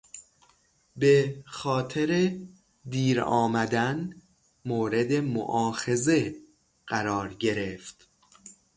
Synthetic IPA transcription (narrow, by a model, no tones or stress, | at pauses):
be̞xɒːt̪ʰeɾe | d̪iːɾɒ̰ːmæd̪æn | moːɾe̞d̪e̞mo̰ʔɒːxe̞ze̞ | ɢæɾɒːɾɟe̞ɾe̞ft̪